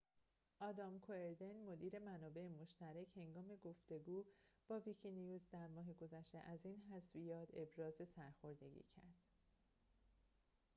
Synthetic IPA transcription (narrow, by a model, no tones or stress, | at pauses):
ʔɒːd̪ɒːmkʰoe̞ɾd̪e̞nmo̞d̪iːɾe̞mænɒːbe̞emo̞ʃt̪æɾeche̞ŋɡɒːme̞ɡo̞ft̪e̞ɡuːb̥ɒːvicʰinijuːzd̪æɾmɒːɦe̞ɡo̞zæʃt̪e̞̰ʔæziːnhæsvijɒːt̪ʰe̞bɾɒːze̞sæɾxo̞ɾd̪e̞̰ɟḭːcʰæ̰ɾd̪̥